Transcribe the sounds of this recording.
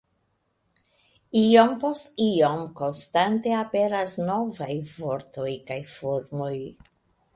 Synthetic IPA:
io̞mpo̞stiomko̞nstante̞ape̞ɾasno̞vajvo̞ɾto̞jkajfo̞ɾmo̞j

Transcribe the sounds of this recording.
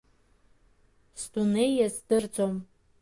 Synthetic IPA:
stunejɐzd̥ɨrd͡zʼom

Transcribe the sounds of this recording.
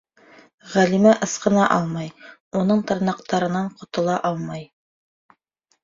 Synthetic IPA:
ʁælimæʔɤ̆sqɤ̆nɑʔɑlˠmɑjunɤɴt̪ɤ̆ɾnɑqt̪ɑɾɤ̆nɑɴqŏt̪ɤ̆lˠɑʔɑlˠmɑj

